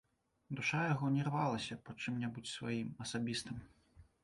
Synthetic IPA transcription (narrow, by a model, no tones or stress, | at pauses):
d̪uʂajaɣɔnʲɛrvalˠɐsʲɐpɐt͡ʂɨmnʲabut͡sʲsva̰jimɐsabʲist̪ɨm